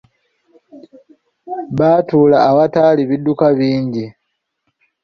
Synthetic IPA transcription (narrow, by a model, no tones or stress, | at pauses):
βaːtuːlaːβataːliβidːukaβiːɲɟi